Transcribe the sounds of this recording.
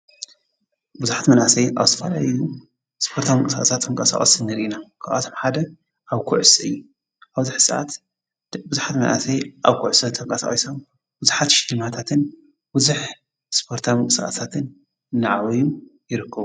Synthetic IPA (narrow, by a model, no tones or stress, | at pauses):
buzuħat̪mɐnʔasɐjʔa̰βzɨt̪ʰɐfɐla̰ju | spʰoɾt̪ʰamɨŋkʼɨsaxʼɐsat̪ɨŋkʼɐsa̰χʼɐsɨnɨɾʔinakʰaʔa̰t̪ʰo̞mħad̪ɐ | ʔaβkʰuʕsɨɨjːu | ʔaβzɨħsɨʔa̰t̪ | bɨzuħat̪mɐnʔa̰sɐjʔaβkʰuʕʊsɐnt̪ʰɐŋkʼɐsa̰χʼiso̞m | buzuħat̪ʃɪlɨmat̪ʰat̪ʰɨn | bɨzuħ | spʰo̞ɾt̪ʰamɨŋkʼɨsa̰ɐsat̪ʰɨnː | aʕaβɐjujɪɾɨkʰːɐβu